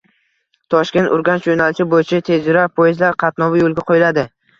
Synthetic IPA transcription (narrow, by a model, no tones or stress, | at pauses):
t̪ʰɒʃkʲe̞nt̪ʊɾɡʲanʃd͡ʒonalɪt͡ʃʰɪbojɪt͡ʃʰat̪ʰe̞zɪɾapʰojɪzlaɾqʰɑt̪nɒvajolˠɡʲaqʰojɪlad̪ɪ